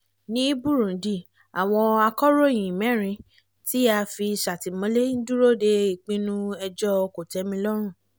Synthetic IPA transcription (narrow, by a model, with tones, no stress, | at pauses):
nĩ˦bu˦˨ɾũ˨˦di˦˨ | a̰˨w̃ɔ̃˧a˧kɔ˦ɾõ˦˨ĩ˨mɛ̃˨˦ɾ̃ĩ˧ | ti˦a˧fi˧sa˨ti˨mɔ̃˨˦le˦n̩˦du˦ɾo˦˨de˦i˦˨k͡pĩ˦nũ˦ɛ˧d͡ʒɔ˦o˧ko˨tɛ˨˦mĩ˧lɔ˦ɾ̃ũ˦˨